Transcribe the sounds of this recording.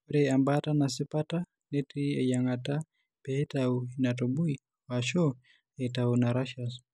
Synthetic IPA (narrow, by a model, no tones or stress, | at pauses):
uɾɛambatanasɛpata | netiejaŋata | b̥ɛtauinatobui | waʃɔ | ɛtaunaɾaʃas